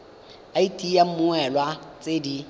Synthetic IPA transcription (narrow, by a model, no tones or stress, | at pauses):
aitʼijam̩mʊɛlwat͡sʼedi